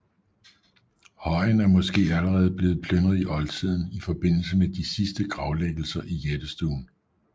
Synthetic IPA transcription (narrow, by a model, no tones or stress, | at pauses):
hɒ̽ɪnæɐmɒ̽sɡ̥e̝̰ːæləʁɛːð̞̩ˠb̥le̝ːð̞̩ˠpʰlønɐð̩ˠiʔɒ̽lt͡sʰið̞̰ˠn̩ifɒ̽b̥e̝n̰l̩səmed̥isisd̥əɡ̥ʁɑ̈ʊleɡ̥l̩sɐʔijed̥əsd̥ṵːn